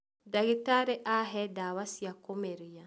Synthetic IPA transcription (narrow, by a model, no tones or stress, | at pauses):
daɡitaɾeʔaɦɛdaːwasiakomeɾija